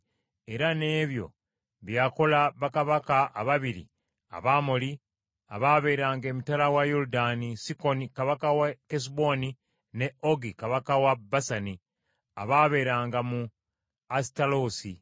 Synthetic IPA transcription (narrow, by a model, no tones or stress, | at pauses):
e̞ɾane̞ːβjo̞̰ | βjaːko̞laβakaβakaʔaβaβiɾḭ | a̰βamoli | a̰βaːβe̞ːɾaːŋɡe̞ːmitalawajoɾudanisiko̞nikaβakawakes̬bo̞ni | ne̞oɡikaβakawabasani | a̰βaːβe̞ːɾaːŋɡamu | asi̥taloːsi